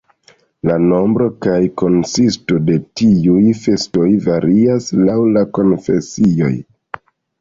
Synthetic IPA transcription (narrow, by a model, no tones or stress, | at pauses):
lano̞mbɾo̞kajko̞nsistode̞tiujfe̞sto̞jvaɾiaslawlako̞nfe̞sio̞̰j